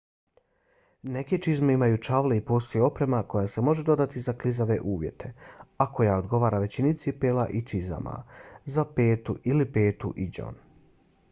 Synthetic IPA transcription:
ne̞ket͡ʃizmeimajut͡ʃaʋleipo̞ːst̪o̞juo̞pɾe̞mako̞jase̞mo̞ʒe̞d̪o̞d̪at̪izaklizaʋe̞̰ʔuːʋje̞̰t̪ʰe̞ako̞jaod̪ɡo̞ʋaːɾaʋe̞t͡ɕinit̪sipeːla̰ʔit͡ʃiza̰mʔa̰zapeːt̪uʔilipeːt̪ṵʔid͡ʑo̰n

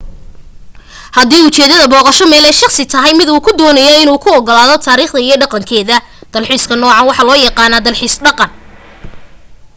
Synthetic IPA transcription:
hɐd̪iːʊt͡ʃɛːðɐðɐbɔːqɑʃɔmɛːlɛjʃɑχsɪt̪ʰɐɦɛjmɪd̪uːkʰʊd̪ɔːnɐjɛɪnuːkʰʊɔɡɔlaːðɔt̪ʰaːɾiːχd̪ɐijɞɖɑqɑŋkʰɛːðɐ | d̪̥ɐlħiːskʰɐnɔːʕɑnwɑħɑlɔːjɑqɑːnaːd̪ɐlħiːsɖɑqɑn

